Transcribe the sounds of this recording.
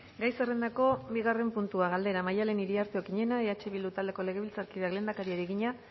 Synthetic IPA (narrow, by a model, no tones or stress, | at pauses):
ɡajse̞re̞nd̪ako̞biɣare̞mpunt̪uaɣald̪e̞ɾamajale̞niɾiaɾt̪eokiɲe̞naeat͡ʃe̞βild̪ut̪ald̪e̞ko̞le̞ɣ̞e̞βilt͡saɾkiðakle̞nd̪akaɾiaɾiɣiɲa